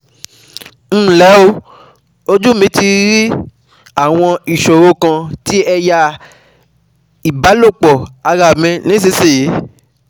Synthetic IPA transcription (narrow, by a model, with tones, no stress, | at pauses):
m̩ː˦˨lɛ˨˦o˧ | o˧d͡ʒu˦˨mĩ˨˦ti˧ɾi˦ | a˦˨w̃ɔ̃˧i˨ʃo˨ɾo˧˦kã˧ti˦ɛ˧ja˧ | i˨ba˨˦lo˦˨k͡pɔ˨a˧ɾa˨mɛ̃˧nĩ˦s̬i˧˦se˦˨ji˨˦